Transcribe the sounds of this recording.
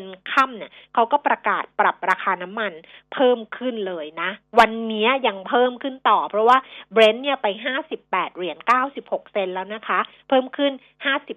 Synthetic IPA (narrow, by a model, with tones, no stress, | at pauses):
nkʰa˥˩mni˥˩ɐkʰa˦˥wkɔː˥˩pɾa˧kaː˨˩t̪̚pɾa˨˩p̚ɾaː˧kʰaː˧na˦˥mːa˧npʰɤː˥˩mkʰɯ˥˩nlɤː˧jna˦˥wa˧nːi˦˥ɐja˧ŋpʰɤː˥˩mkʰɯ˥˩nt̪ɔː˨˩pʰɾɔ˦˥waː˥˩bɾe˦˥nːi˥˩ɐpa˧jɦaː˥˩si˨˩pːɛː˨˩t̪̚ɾi˩˦ənkaː˥˩wsi˨˩p̚ho˨˩k̚se˧nlɛː˦˥wna˦˥kʰa˦˥ | pʰɤː˥˩mkʰɯ˥˩n | haː˥˩si˨˩p